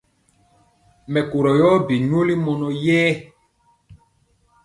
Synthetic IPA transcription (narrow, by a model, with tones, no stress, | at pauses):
mɛ˨ko˨ɾɔ˨jɔ˦bi˨ɲo˦li˦mɔ˨nɔ˨jɛː˦